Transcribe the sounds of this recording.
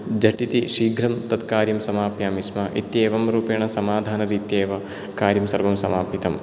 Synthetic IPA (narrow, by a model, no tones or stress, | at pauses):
d͡ʒɐʈit̪iʃiːɡʱɾɐmt̪ɐt̪kaːɾjɐmsɐmaːpjaːmismɐʔit̪jeːʋɐmɾuːpeːɳɐsɐmaːd̪ʱaːnɐɾiːt̪jeːʋɐ | kaːɾjɐmsɐɾʋɐmsɐmaːpit̪ɐm